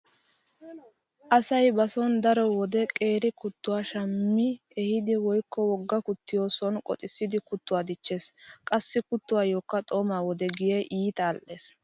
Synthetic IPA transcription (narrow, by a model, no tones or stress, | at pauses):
ʔɐsɐjbɐsɔnd̪ɐɾɔwɔd̪ɛkʼe̞ːɾɪkʊt̪ːʊwaːʃɐmːɪ | ɛhɪd̪ɪwɔjkːɔwɔɡːɐkʊt̪ːɪjo̞ːsɔnkʼɔ̰t̪ʼɪsːɪd̪ɪkʊt̪ːʊwaːd̪ɪt͡ʃːe̞ːskʼɐsːɪkʊt̪ːʊwaːjoːkːɐt̪ʼoːmaːwɔd̪ɛɡɪjeʔiːt̪aːlʔe̞ːs